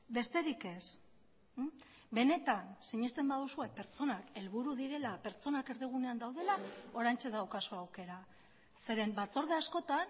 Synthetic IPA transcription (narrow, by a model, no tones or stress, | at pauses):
be̞st̪e̞ɾike̞s | be̞ne̞t̪ansiɲist̪e̞mbaðusue̞pe̞ɾt͡so̞nake̞lβuɾuðiɾe̞lape̞ɾt͡so̞nake̞ɾðiɣ̞une̞and̪awð̞e̞lao̞ɾajnt͡ʃe̞ðawkasoawke̞ɾa | se̞ɾe̞mbat͡so̞ɾðeasko̞t̪an